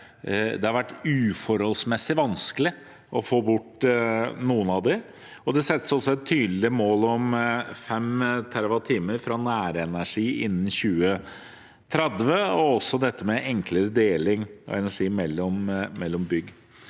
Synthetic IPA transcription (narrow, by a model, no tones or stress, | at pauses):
d̪ɛhɑɾʋæʈːʉːfɔɾhɔlsmɛsːɪʋɑnskəlɪ | ʔɔfoːbʊʈː | nuːənɑd̪ɛ | ɔd̪ɛsɛt̪ːəsɔsɔɛt̪ʰːyːd̪l̩ɪəmoːlɔmfɛmt̪ʰæɾʋɑt̪ʰiːməɾfɾɑnæːɾɛnæʂiːʔɪ̰nːn̩çʉːə | t̪ʰɾɛd̪ʋəɔɔsːɔd̪ɛt̪ʰːəmɛʔɛŋkləɾəd̪eːlɪŋɔ̰ɛnæʂiːmɛlːɔmmɛlːɔmbʏɡ